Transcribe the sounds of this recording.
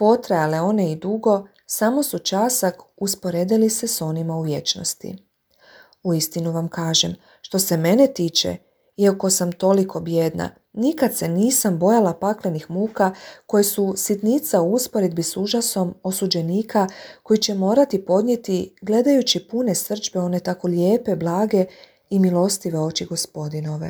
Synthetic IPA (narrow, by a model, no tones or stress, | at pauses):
po̞t̪ɾajale̞o̞ne̞id̪uɡo̞ | samo̞sut͡ʃasakuspo̞ɾeːd̪iliseso̞nimauʋje̞t͡ʃno̰st̪ḭ | uist̪inuʋamkaːʒem | ʃt̪o̞se̞me̞ne̞t̪iːt͡ʃḛ | iako̞samt̪o̞likʰo̞bje̞d̪na̰ | nikad̪se̞niːsambo̞jalapakle̞nixmuːkako̞jesusit̪nit̪sauuspo̞ɾed̪̚bisuʒaso̞mo̞sud͡ʑe̞niːkʰako̞jit͡ɕe̞mo̞ːɾat̪ipo̞d̪nʲje̞t̪iɡle̞d̪ajut͡ɕipune̞sr̩t͡ʃbe̞o̞ne̞t̪ako̞ljeːpe̞blˠaːɡe̞ | imilˠo̞st̪iʋe̞o̞ːt͡ʃiɡo̞spo̞d̪ino̞ʋe̞̰